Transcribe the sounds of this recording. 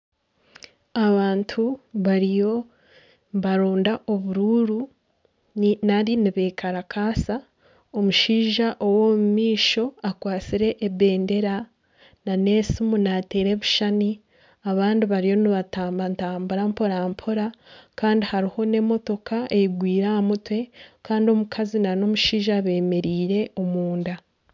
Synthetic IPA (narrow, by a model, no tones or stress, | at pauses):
aβaːntʰuβaɾijo̞ | βaɾoːndaʔo̞βuɾuɾu | naɾiniβeːkaɾakʰaːsa | o̞muʃiːʒaʔowomumiːʃo̞akwaːt͡siɾe̞ʔːbe̞ːnde̞ɾa | nane̞simunateːɾe̞βuʃani | aβaːndiβaɾijo̞niβataːmbantaːmbuɾampo̞ɾampʰo̞ɾakaːndihaɾiho̞ne̞mo̞to̞kaejiɡwiːɾamutwe̞kaːndio̞mukʰazinano̞muʃiːʒaβe̞ːme̞ɾiːɾe̞omuːnda